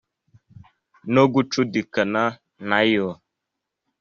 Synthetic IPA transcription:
noɡut͡ʃudikəna | najɔ

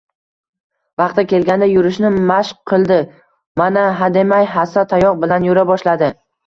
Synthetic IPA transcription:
vɑqt̪akʲe̞lɡʲand̪ajʊɾɪʃnɪmaʃqʰɨlˠd̪ɪ | manaɦad̪e̞majɦasat̪ʰajɒqbɪlanjoɾabɒʃlad̪ɪ

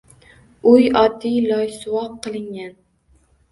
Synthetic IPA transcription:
ʊjɒd̪ːijlˠɒjsʊwɒqʰːɨlˠɪŋɡʲan

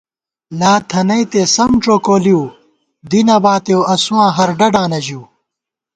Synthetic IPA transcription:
laːt̪ʰɐnɐjt̪eːsɐmʈ͡ʂoːkoːliw | d̪inɐbaːt̪ewɐsuwãːɦɐɾɖɐɖãːnɐʑiw

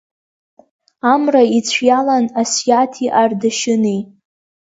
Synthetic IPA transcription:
amrait͡sʷʰjalanasjatʰiʔardaʃɪne

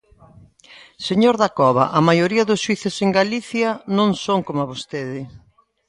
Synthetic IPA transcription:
seɲoɾðakɔβɐ̰ʔamajoɾiɐðʊsʃwiθeseŋɡaliθjɐnõŋsoŋkomaβost̪eðɪ

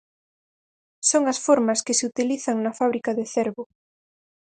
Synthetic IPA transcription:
soŋasfoɾmaskeseut̪iliθaŋnafaβ̞ɾikaðeθeɾβo

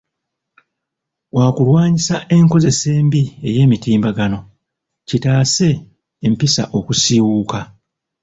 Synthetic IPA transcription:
waːkulwaːɲisaʔe̞ŋko̞ze̞se̞ːmbie̞je̞ːmitiːmbaɡano̞ | citaːse̞ː | mpisa̰ʔo̞kusiwuːka

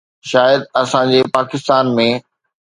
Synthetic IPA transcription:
ʃaːjəd̪ɐsãd͡ʑeːpaːkɪst̪aːnmẽ

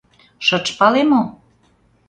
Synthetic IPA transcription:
ʃə̆t͡ʃpɑlemo

